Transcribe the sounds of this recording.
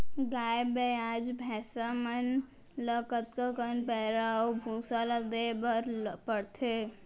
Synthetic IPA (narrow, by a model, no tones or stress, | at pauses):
ɡajbead͡ʒbʱɛsamən | ləkət̪kəkənpɛɾaobʱũsalad̪ebəɾpəɽt̪ʰe